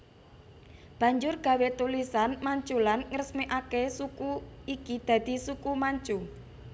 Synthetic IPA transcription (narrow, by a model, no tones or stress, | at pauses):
b̥ä̤ɲd͡ʒʊrɡ̥ä̤wet̪ulisanmaɲt͡ʃulanŋərəsmeʔakesukuikid̪̥ä̤d̪̥i̤sukumaɲt͡ʃu